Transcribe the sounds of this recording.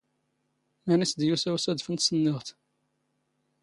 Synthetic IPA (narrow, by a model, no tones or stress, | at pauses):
mænisd̪jusæwsæd̪fənt̪sənːɪʁt̪